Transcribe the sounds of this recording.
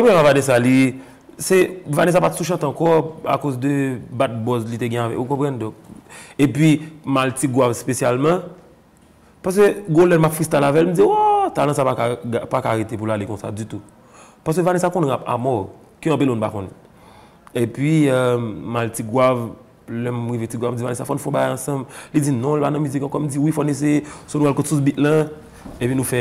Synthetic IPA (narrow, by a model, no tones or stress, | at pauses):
ɛpoɛ̃mavadɛs̬ali | sɛvanes̬apatsuʃ̬ãt̪ãkɔa̰kozd̪øbat̪̚bɔzlit̪eɡɛ̃avɛ̰kukɔ̃pɣãndɔ̃k̚epɥimaltiɡwavspesjalmʌ̃ | pas̬køɡolɛnmapfist̪alavɛlm̩d͡ziwɔt̪alãsapakaapakaɣetep̬ulalekɔ̃sa̰d͡zyt̪u | pas̬køvanesakõnapa̰mɔ | kiãpilɔ̃nupa̰kõnɛ | epɥi | maltiɡwav | lɛmɣivetiɡwavm̩d͡zivanesafɔnufõbaɡajɐ̃sɐ̃blid͡zinɔ̃lpanɐ̃myzikãkɔm̩d͡ziwifɔnes̬esonuwalkõtsusbitlã | epinũfɛ